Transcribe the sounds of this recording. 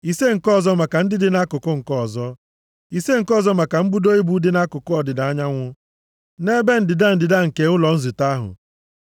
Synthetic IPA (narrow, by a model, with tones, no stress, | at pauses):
i˨se˦ŋ̩˨kɔ˦˨zɔ˦ma˨ka˨n̩˦dɪ˦dɪ˨na˦kʊ˨kʊ˦ŋ̩˨kɔ˦ɔ˨zɔ˦ | i˨se˦ŋ̩˨kɔ˦˨zɔ˦ma˨ka˨m̩˦bu˦do˦i˦bu˦dɪ˦na˦kʊ˨kʊ˦ɔ˨dɪ˨da˨a˦ɲa˦ŋʷʊ˦ | ne˦be˦n̩˦dɪ˨da˦n̩˨dɪ˨da˦ŋ̩˨ke˨ʊ˦lɔ˨n̩˦zɪ˨ta˦ɦʊ̰˨